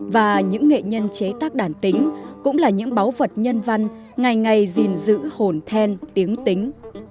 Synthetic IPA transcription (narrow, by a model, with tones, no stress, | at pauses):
vaː˨˩ɲɨ̰˧˥ŋːḛ˧˨ɲə˧nt͡ɕe˨˦t̪aː˦˥k̚ɗaː˧˩nt̪ï˨˦ŋ̟kʊ̰˧˥ŋ͡mlaː˨˩ɲɨ̰˧˥ŋɓa˨˦wvə˨˩t̚ɲə˧nva˧ŋ | ŋa˨˩jŋa˨˩jzi˨˩nzɨ̰˧˥ho˨˩nt̪ʰɛ˧nt̪i˨˦əŋt̪ï˨˦ŋ̟